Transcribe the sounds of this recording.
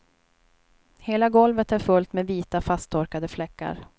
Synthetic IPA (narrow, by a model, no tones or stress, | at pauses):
heːlaɡɔlvət̪æɾfɵlt̪meːviːt̪afast̪ʰːɔɾkad̪əflɛkːa̰ɾ